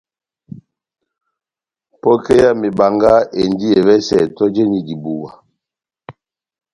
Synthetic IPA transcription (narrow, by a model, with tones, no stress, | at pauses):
pɔ˦ke˦ja˦me˨ba˨ŋɡa˦ʔe˨ndi˦e˨βɛ˦sɛ̰˨tɔ˦d͡ʒe˦ni˨di˨bu˨wa˨